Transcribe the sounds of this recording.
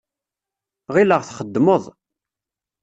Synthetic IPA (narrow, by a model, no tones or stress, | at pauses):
ʁiləʁθχəd̪ːmoðˤ